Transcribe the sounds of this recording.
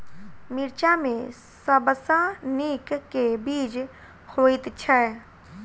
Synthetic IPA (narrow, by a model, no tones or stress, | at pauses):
mɪɾt͡ʃamẽ | səbəsaniːkkːebiːd͡ʒ | hoːɪt̪t͡ʃʰɛ